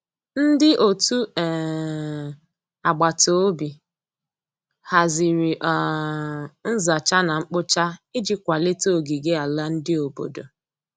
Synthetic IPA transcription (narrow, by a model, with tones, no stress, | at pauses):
n̩˦dɪ˦ʔo˨tu˦ɛ˨ | a˨ɡ͡ba˨to˦o˦bi˨ | ha˨zi˨ɾi˨ʔ | n̩˦za˨t͡ʃa˦na˨ŋ͡m̩˦k͡pʊ˦t͡ʃa˦i˦d͡ʒi˦kʷa˨lɪ˦to˦˨ɡi˨ɡe˦a˨la˦n̩˦dɪ˦o˨bo̰˨do̰˨